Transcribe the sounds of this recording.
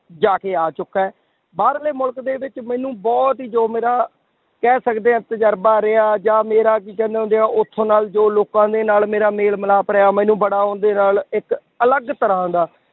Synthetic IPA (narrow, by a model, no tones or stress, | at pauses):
d͡ʒaːkeːaːt͡ʃʊkːɛː | baːɾleːmʊlkd̪eːʋɪt͡ʃmɛ̃ːnũːbɔːt̪ɦiːd͡ʒoːmeːɾaː | kɛːsəkd̪eːɛ̃ːt̪əd͡ʒəɾbaːɾeaːd͡ʒaːmeːɾaːk̬iːkɛ̃ːnd̪eːɦõnd̪eãːʔʊt̪ʰːõːnaːld͡ʒoːloːkãːd̪eːnaːlmeːɾaːmeːlməlaːpɾeːaːmɛ̃ːnũːbəɽaːɦõːnd̪eːnaːlɪk | ələɡt̪əɾaːɦʊ̃nd̪aː